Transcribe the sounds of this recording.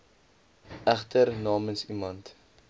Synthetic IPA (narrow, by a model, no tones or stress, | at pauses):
æχtəɾnɑːmənsimɐnt